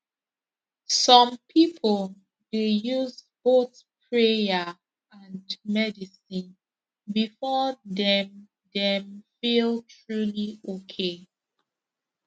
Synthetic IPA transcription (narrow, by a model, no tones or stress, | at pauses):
sɔ̃mpʰipʰəlˠ | dejuzboθ | pʰɹejə | ãnmɛdisĩn | bifɔdɛ̃m | dɛ̃mfilˠtʰɹuliokʰe